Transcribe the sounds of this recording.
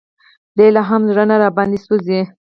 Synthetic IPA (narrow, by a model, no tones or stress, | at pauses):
d̪elaɦamzɾanaɾɑbɑnd̪isuzi